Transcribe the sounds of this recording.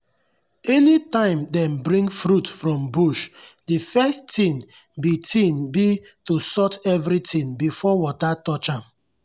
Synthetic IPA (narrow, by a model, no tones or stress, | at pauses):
ɛnitãɪ̃mdɛ̃mbɹĩŋɡfɾutfɹɔ̃mbuʃdifɛstĩn | bitʰĩnbi | tusɔtɛvɾitʰĩŋbifɔwɔtatɔt͡ʃãm